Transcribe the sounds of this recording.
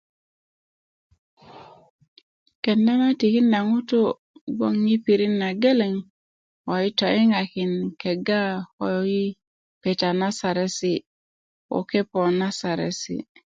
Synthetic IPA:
ke˨nda˦na˦ti˨ki˦nːa˨ŋu˦to˦ | ɡo˦ŋɲi˦pi˨ɾi˦nːa˨ɡe˦le˨ŋ | wa˨i˦tɔ˨i˦ŋa˨ki˨nke˨ɡa˦ho˦jji˦ | pe˨ta˨na˦sa˨ɾe˦si˦ | o̰˨ke˦pɔ˨na˦sa˨ɾḛ˨sḭ˨

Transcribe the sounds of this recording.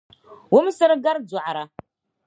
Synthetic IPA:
wʊ˦msə˦ɾɡa˦ɾd͡zu˨ɾa˦

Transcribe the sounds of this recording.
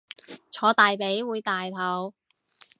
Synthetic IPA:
t͡ʃʰɔː˨˧t̪aː˨jpe˨˥jwuː˨˧jt̪aː˨jt̪ʰɐ˨˧w

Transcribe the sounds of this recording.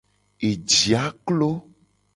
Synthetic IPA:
e˨d͡ʒi˨a˦klo˦

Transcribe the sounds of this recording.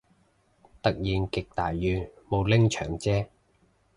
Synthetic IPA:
t̪ɐ˨k̚jiː˨nkɪ˨k̚t̪aː˨˩jːyː˨˧mo˨˧wlɪ˥ŋt͡ʃʰœː˨˩ŋt͡sɛː˥

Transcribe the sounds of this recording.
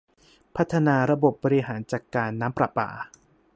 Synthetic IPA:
pʰa˦˥t̪ʰːa˧naː˧ɾa˧bo˨˩p̚bɔː˧ɾi˧ɦaː˩˦nt͡ɕaː˨˩kːaː˧nːaː˦˥mpɾa˨˩pːa̰ː˨˩

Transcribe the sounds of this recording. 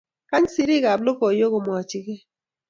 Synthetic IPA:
ka˦ɲ˦si˦ɾi˦˨ɡa˨b̚lo˦ko˨jo˦ɣo˨mɔ˨a˨t͡ʃi˨ke˦

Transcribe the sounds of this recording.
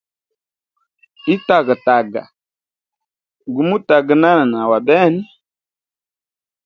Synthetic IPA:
i˦ta˨ɡə˨ta˨ɡa̰˨ | ɡu˨mu˦ta˨ɡə˨na˦nə˨na˨wa˨bɛ˦ni˦

